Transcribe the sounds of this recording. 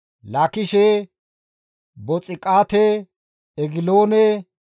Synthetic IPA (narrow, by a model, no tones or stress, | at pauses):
lakɪʃeː | bɔt͡sʼɪkʼaːt̪e | ɛɡɪloːne